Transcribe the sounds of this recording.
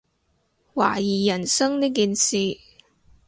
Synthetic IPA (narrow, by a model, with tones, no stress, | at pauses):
wa̰ː˨˩jiː˨˩jɐ˨˩nsɐ˥ŋniː˥kiː˨nsiː˨˧